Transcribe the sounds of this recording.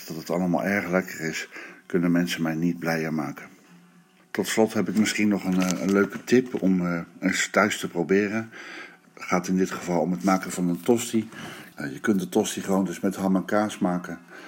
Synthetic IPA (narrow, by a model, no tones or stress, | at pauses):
d̥ɑtətɑlˠəma̰ːlˠɛɹχlɛkəɹɪskɵnənmɛnsəmɛjnid̚blɛjəɹmaːkə | tɔtslɔtɦɛpɪkmɪsχinɔχənə̰nløɥkətɪpɔməstœɥstəprowbɪːrən | χaːtɪndɪtχəvɑlˠɔmɦətmaːkənvɑnəntɔstijəkɵntdətɔstiχʋowndɵsmɛtɦɑməkaːsmaːkən